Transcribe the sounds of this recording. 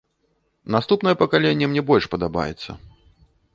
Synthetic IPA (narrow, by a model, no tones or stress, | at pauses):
nast̪upnɐjɛpɐkalʲenʲːɛmnʲɛbɔlʲʂpɐd̪aba̰jɛ̰t̪sːɐ̰